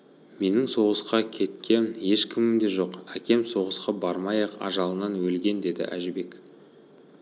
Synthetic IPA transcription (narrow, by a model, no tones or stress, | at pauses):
me̞nɪŋso̞ʁəsqɑkʲʰe̞t̪kʲʰe̞nje̞ʃkʲʰɪmɪmd̪e̞ʒo̞qækʲe̞mso̞ʁəsqɑbɑɾmɑjɑqɑ̰ʒɑlˠənɑnwɵlɡʲe̞nd̪e̞d̪ɪ̰ʔæ̰ʒɪbe̞k